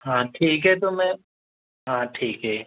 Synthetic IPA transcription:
ɦãːʈʰiːkɦɛt̪̬omɛ̃ | ɦãːʈʰiːkɦɛː

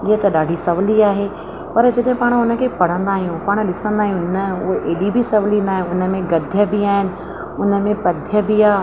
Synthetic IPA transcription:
iːət̪ɐɗaːɖʱisɐʋliaːɦeː | pɐɾd͡ʑɐɗɦɪ̃paːɽ̃ʊnə̆kʰeːpɐɽ̤ə̃nd̪aːɦijũpaːɽ̃̆ɗɪsə̃nd̪aːɦijũnəʊɦʔeːɗibɪsɐʋlinaːɦẽʊnə̆mẽɡɐd̪ʱjəbɪaːɦɪnɪ̆ | ʊnə̆mẽpɐd̪ʱjəbɪaː

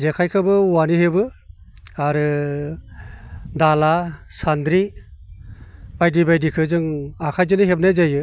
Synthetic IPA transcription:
zekʰajkʰɯbɯwanihebɯ | aɾɯ | dalasand̪ɾi | b̥ajdibajdikʰɯzɯŋakʰajzɯnɯɦep̚najzajɯ

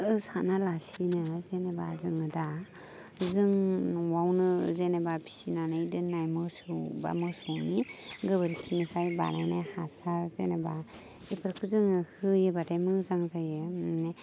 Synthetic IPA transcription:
ɯsanalasinɯzeneba̰zɯŋɯda | zɯŋwawnɯzenebabʰi̥sinanɯidɯnajmɯsɯba̰mɯsɯniɡɯbɯɾikʰinisʰajba̰nanahasaɾzḛneba | epʰɯɾkʰɯzɯŋɯhɯjɯbatajmɯzaŋzajɯne

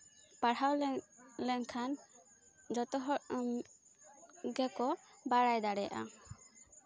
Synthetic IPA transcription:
paɽawllɛŋkʰan | d͡ʒɔt̪ɔɦɔʔ | ɡɛkɔbaɽajd̪aɽɛjʔa̰

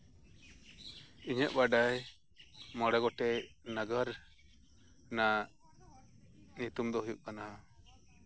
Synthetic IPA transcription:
iɲəʔ̚baɖaj | mɔɽɛɡɔʈɛnaɡaɾ | na | ɲit̪umd̪ɔɦujuʔ̚kanaɦa

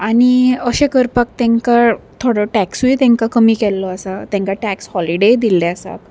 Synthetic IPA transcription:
aɽ̃iəɕẽkəɾpək̚t̪ɛ̃ŋkat̪ʰoɽoʈæksit̪ɛ̃ŋkakəmiːkɛlːɔəsat̪ɛ̃ŋkaʈækshɔliɖed̪ilːeəsa̰t̪

